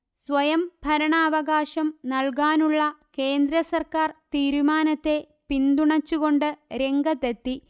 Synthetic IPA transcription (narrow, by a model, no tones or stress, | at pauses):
sʋɐjɐmbʱɐɾɐɳaːʋɐɣaːɕɐmnɐɭkaːnuɭːɐke̞ːnd̪ɾɐsɐrkaːrt̪iːɾumaːnɐt̪ːe̞ | pind̪uɳɐt͡ɕːuɣo̞ɳɖɨɾe̞ŋɡʱɐt̪et̪ːi